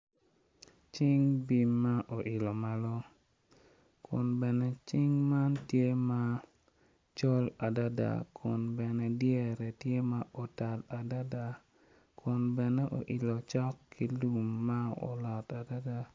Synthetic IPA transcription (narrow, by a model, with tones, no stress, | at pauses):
t͡ʃɪ˦ŋbi˦mːa˦ʔo˨ʔɪ˨lo˨ma˦lɔ˦ | kʰʊ̰˨nbɛ˨nɛ˦t͡ʃɪ˦ŋma˦ntje˦ma˦ | t͡ʃɔ˦la˨da˦da̰˨kʰʊ˨nbɛ˨nɛ˦djɛ˦˨ɾɛ˨tje˦ma˦ʔo˨ta˨la˨da˦da˨ | kʰʊ˨nbɛ˨nɛ˦ʔo̰˨ʔi˨lo˨t͡ʃɔ˦kʰːi˦lu˨mːa˦o̰˨lɔ˨ta˨da˦da˦